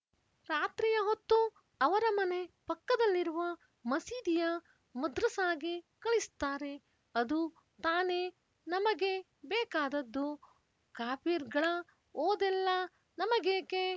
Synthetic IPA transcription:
ɾaːt̪ɾijɐɦot̪ːu | ɐʋɐɾɐmɐne̞pɐkːɐd̪ɐlːiɾuʋɐ | mɐsiːd̪ijɐ | mɐd̪ɾɐsaːɡikɐɭist̪aːɾe̞ | ɐd̪u | t̪aːneː | nɐmɐɡe̞ | bɛːkaːd̪ɐd̪ːu | kaːpiːɾɡɐɭɐ | oːd̪ɛlːɐ | nɐmɐɡeːke

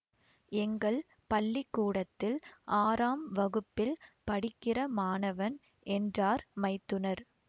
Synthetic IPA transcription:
ɛŋɡɐɭ | pɐɭːɪkːuːɽɐt̪ːɪlʔaːɾaːmʋɐɣɯpːɪlpɐɽɪkːɪrɐmaːnɐʋɐn | ʔɛndraːɾmɐɪt̪ːɯnɐɾ

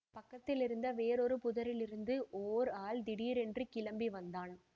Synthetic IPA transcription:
pɐkːɐt̪ːɪlɪɾɯnd̪ɐʋeːɾɔɾɯpʊðɐɾɪlɪɾɯnd̪ɯʔoːɾaːld̪ɪɽiːɾɛndrikɪlɐmbiʋɐnd̪aːn

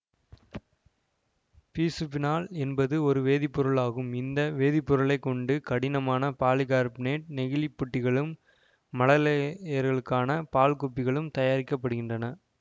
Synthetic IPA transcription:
piːsɯpːɪnaːlɛnbɐðɯɔɾɯʋeːðɪpːʊɾɐɭaːɣɯmɪnd̪ɐʋeːðɪpːʊɾɐɭɐɪkːɔɳɖɯkɐɽɪnɐmaːnɐpaːlɪɣaːɾpneːʈ̚nɛɣɪlipːʊʈːɪɣɐɭɯmː | ɐlɐlɐjɐɾɣɐɭɯkːaːnɐpaːlkɔpːɪɣɐɭɯmt̪ɐjaːɾɪkːɐpːɐɽɯɣɪndrɐnɐ

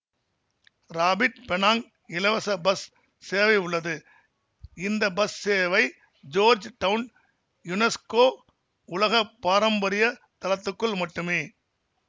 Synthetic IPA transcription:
ɾaːbɪʈ̚pɛɳaːŋ | ɪlɐʋɐsɐbɐsː | eːʋɐɪʊɭːɐðɯ | ɪnd̪ɐbɐsːeːʋɐɪ | d͡ʒoːɾd͡ʒʈɐʋn | jʊnɛskoː | ʊlɐɣɐpːaːɾɐmbɐɾɪjɐt̪ɐlɐt̪ːɯkːɯɭmɐʈːɯmeː

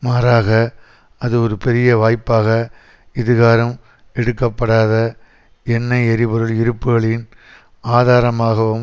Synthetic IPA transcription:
maːɾaːɣɐ | ɐðɯɔɾɯpɛɾɪjɐʋaːjpːaːɣɐ | ɪðɪɣaːɾɐm | ɛɽɯkːɐpːɐɽaːðɐ | ɛnːɐɪɛɾɪbɯɾɯɭɪɾɯpːɯɣɐɭɪn | aːðaːɾɐmaːɣɐʋɯm

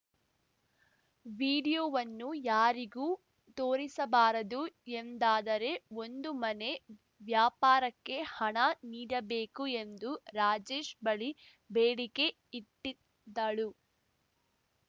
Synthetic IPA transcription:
ʋiːɽijoːʋɐnːujaːɾiɡuː | t̪o̞ːɾisɐbaːɾɐd̪uend̪aːd̪ɐɾe̞o̞nd̪umɐne̞ | ʋjaːpaːɾɐkːe̞hɐɳɐniːɽɐbe̞ːkue̞nd̪uɾaːd͡ʒe̞ːʃbɐɭi | beːɽike̞ | iʈːi | d̪ːɐɭu

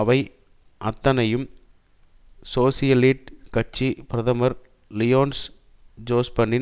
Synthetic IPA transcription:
ɐʋɐɪ | ʔɐt̪ːɐnɐjɯm | soːsɪjɐliːʈkɐt͡ʃːipɪɾɐðɐmɐɾ | lɪjoːns | d͡ʒoːspɐɳːɪ

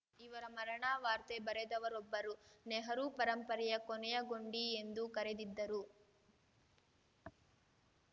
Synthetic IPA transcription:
iʋɐɾɐmɐɾɐɳaːʋaːɾt̪ebɐɾed̪ɐʋɐɾɔbːɐɾuneɦɐɾupɐɾɐmpɐɾɛjɐkɔnɛjɐɡo̞ɳɖiend̪ukɐɾed̪id̪ːɐɾu

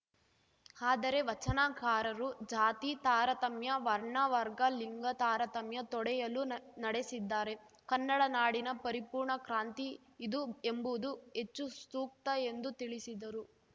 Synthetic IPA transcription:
aːd̪ɐɾe̞ʋɐt͡ʃɐnaːkaːɾɐɾud͡ʒaːt̪it̪aːɾɐt̪ɐmjɐʋɐɾɳɐʋɐɾɡɐliŋɡɐt̪aːɾɐt̪ɐmjɐt̪ɔɽɛjɐlunɐɽesid̪ːaːɾe̞ | kɐnːɐɽɐnaːɽinɐpɐɾipuːɾɳɐkɾaːnt̪iː | d̪ue̞mbud̪ue̞t͡ʃːust̪uːk̚t̪ɐe̞nd̪ut̪iɭisid̪ɐɾu

